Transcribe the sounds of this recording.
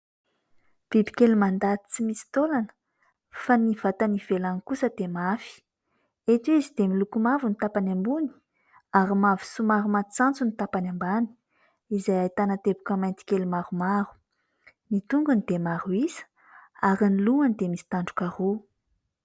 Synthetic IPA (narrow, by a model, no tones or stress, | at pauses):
v̥ibi̥kelumand̪at̪i̥t͡simisi̥t̪olanə̥ | faniv̥at̪aniv̥elanikusəd̪̥emafi̥ | et̪uizid̪emilukumavunit̪apanambuni̥ | aɾimavi̥sumaɾumat͡sant͡sunit̪apanambani̥ | izajajt̪anət̪ebukəmajnt̪i̥kelumaɾumaɾu̥ | nit̪uŋɡunid̪emaɾuizə̥ | aɾiniluanid̪emisi̥t̪aɳɖ͡ʐukaɾu